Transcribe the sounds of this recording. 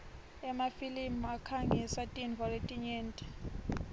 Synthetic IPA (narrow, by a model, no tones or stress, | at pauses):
ɛmafilimakʰaŋisatʼinvɔletʼiɲɛːntʼɛ̥